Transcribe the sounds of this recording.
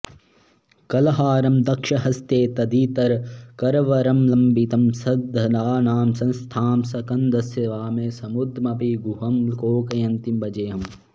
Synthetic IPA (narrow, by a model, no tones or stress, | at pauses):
kɐlɐɦaːɾɐmd̪ɐkʃɐɦɐst̪eːt̪ɐd̪iːt̪ɐɾkɐɾʋɐɾɐmlɐmbit̪ɐmsɐd̪ʱɐnaːnaːmsɐ̃nst̪ʰaːmsɐkɐnd̪ɐsjɐʋaːmeːsɐmud̪ʱmɐpiɡuɦɐmkoːkɐjɐnt̪imbɐd͡ʒeːɦɐm